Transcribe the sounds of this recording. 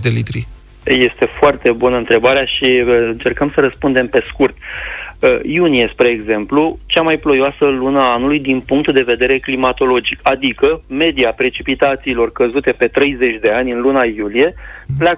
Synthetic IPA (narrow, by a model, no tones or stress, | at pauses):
d̪elit̪ɾi | je̞st̪e̞foart̪e̞bunəɨnt̪ɾe̞baɾeaʃiɨnt͡ʃe̞rkəmsəɾəspund̪e̞mpe̞skurt̪əjunijespɾeːɡze̞mplut͡ʃamajplo̞joasəlunaanulujd̪inpuŋk̚t̪d̪e̞ve̞d̪e̞ɾe̞klimat̪o̞lo̞d͡ʒikad̪ikəme̞d̪iapɾe̞t͡ʃipit̪at̪siːlo̞rkəzut̪e̞pe̞t̪ɾe̞jze̞t͡ʃʲd̪e̞anʲɨnlunajulije̞pla